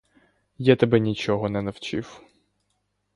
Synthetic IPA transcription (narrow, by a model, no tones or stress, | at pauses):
jat̪ɐbɛnʲit͡ʃɔɦɔnɛnɐwt͡ʃiw